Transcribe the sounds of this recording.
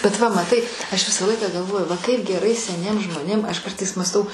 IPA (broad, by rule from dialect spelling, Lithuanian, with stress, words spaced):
bʲɛt ʋɐ mɐˈtɐɪ ˈɐʃ ˈʋʲɪsɑː ˈlˠɐɪkɑː ɡɐˈlˠʋoːjʊ ʋɐ ˈkɐɪp ɡʲɛˈrɐɪ sʲɛˈnʲiɛms ʒmoːˈnʲeːm ˈɐʃ ˈkɐrtɐɪs mɑːsˈtɐʊ